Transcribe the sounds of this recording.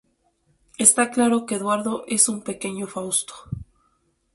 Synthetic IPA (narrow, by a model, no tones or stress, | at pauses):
e̞st̪aklaɾo̞keːðwaɾðo̞ʔe̞sumpe̞ke̞ɲo̞fawst̪o̥